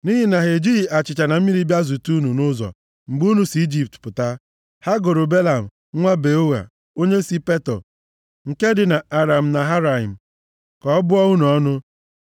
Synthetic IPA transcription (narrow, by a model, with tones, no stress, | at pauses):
ni˦ɦi˦na˨ɦe˨d͡ʒi˦˨a˨t͡ʃɪ˨t͡ʃa˨na˨m̩˦mi˦ɾi˦bja˦zu˨tu˦nu˨nʊ˦zɔ̰˨ | ŋ͡m̩˨ɡ͡bu˦nu˨si˨i˦d͡ʒi˨p̚tpʊ˨ta˦ | ha˦ɡo˨ɾo˨be˦la˨m̩˨˦ŋʷa˦be˨o˦wa̰˨ | o˦ɲe˦si˦pe˦tɔ̰˨ | ŋ̩˨ke˦dɪ˨na˨a˨ɾa˨m̩˨na˨ɦa˦ɾa˨i˨m̩˨ | kɔ˨˦bʊ˦ɔ˦ɣu˦n˨ɔ˦nʊ˦